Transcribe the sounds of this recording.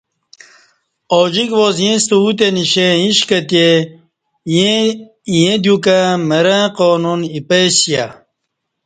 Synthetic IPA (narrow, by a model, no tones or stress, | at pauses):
oːd͡ʑikʋoːzjẽst̪uut̪eniɕẽĩɕkɐt̪je | jẽ | jẽd̪jukamɐɾãqoːnunipeɕja